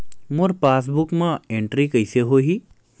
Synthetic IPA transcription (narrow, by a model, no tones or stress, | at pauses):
mʊɾpaːs̬bʊkmãẽɳʈɾikəɪseɦoːɦi